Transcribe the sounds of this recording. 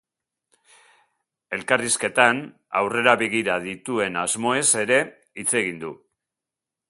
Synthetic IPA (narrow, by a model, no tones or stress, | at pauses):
e̞lkariske̞t̪an | a̰wre̞ɾaβeɣ̞iɾaðit̪ue̞nazmo̞e̞se̞ɾe̞ | it͡se̞ɣind̪u